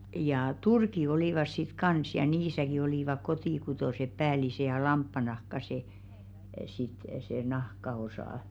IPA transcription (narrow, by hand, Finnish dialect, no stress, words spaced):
jɑː turki oliˑʋɑs sit kɑns jɑ niːsæki oliˑʋɑk kotiˑkutoˑsep̆ pæːlise jɑ lɑmpːɑnɑhkɑ se sit se nɑhkɑosɑˑ